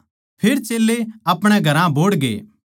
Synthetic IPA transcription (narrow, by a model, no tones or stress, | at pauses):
pʰɪɾt͡ʃeːlːeɐpɽ̃ɛɡʱɐɾãboːɽɡḛː